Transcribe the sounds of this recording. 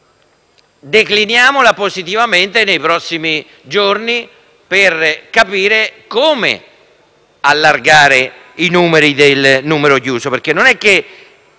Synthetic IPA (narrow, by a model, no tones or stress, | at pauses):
d̪eklinjaːmolapozit̪ivament̪enejpɾɔsːimi | d͡ʒorni | perkapiːɾekoːmḛ | alːarɡaːɾe | inuːmeɾid̪elnuːmeɾokjuːsoperk̟enːonɛkːe